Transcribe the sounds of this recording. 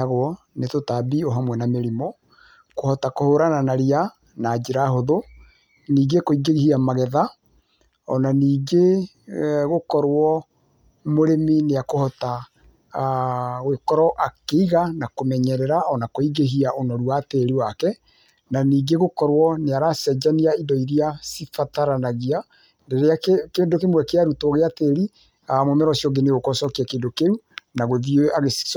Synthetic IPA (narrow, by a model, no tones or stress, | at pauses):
aɣwɔ | netotabiɔɦamwɛnameɾimɔ | kohɔtakohoɾananaɾia | naːd͡ʒeɾaɦoðo | niːɡekoiɡeɣihiamaɣɛða | ɔnaniːɡe | ɣokɔɾwɔ | moɾemineakohɔta | ɣwekɔɾɔʔakeiɣanakomɛɲɛɾɛɾaɔnakoiɡeɦiaonɔɾuateɾiwakɛ | naniːɡeɣokɔɾwɔneaɾasɛd͡ʒaniaidɔiɾiasifataɾanaɣia | ndeɾeakkeːndokemwɛkeaɾutoɣeateɾi | amomɛɾɔsjɔɡeneɣokɔsɔkiakeːndokeɾu | naɣoðiaɣe̥